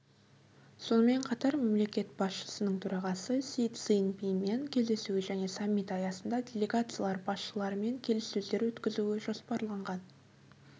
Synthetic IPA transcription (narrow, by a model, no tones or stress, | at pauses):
so̞nəme̞ɴqʰɑt̪ɑɾme̞mle̞kʲe̞t̪bɑsʃə̥sənəɴt̪ʰɵɾɑʁɑsəsijt̪səjənpimenkʲʰe̞zd̪e̞suwɪʒæne̞samʲːit̪ɑjɑsənd̪ɑd̪ʲe̞lʲe̞ɡat̪sɨjalˠɑɾbɑsʃəlˠɑɾəme̞ŋkʲʰe̞lɪsːɵzd̪e̞ɾwɵt̪kʲɪzuɪʒo̞spɑɾlˠɑɴʁɑn